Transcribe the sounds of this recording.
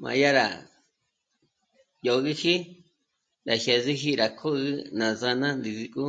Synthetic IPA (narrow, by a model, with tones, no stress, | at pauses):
mã̰˧ja˦ɾa̰˨ | jo˧ɣi˦hi˦ | ɾa˨ʃe˨zi˦ɦi˦ɾa˨kʰo˦ɣɨ˦nã˨za˧nã˦nd̪i˨zi˧kʼu˦